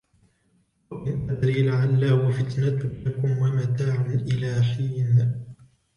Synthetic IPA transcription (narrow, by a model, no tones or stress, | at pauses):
ʔɪnʔad̪ɾiːlaʕalːaːwafɪt̪nat̪ʊakʊmwamat̪aːʕʊnʔɪlaːħiːn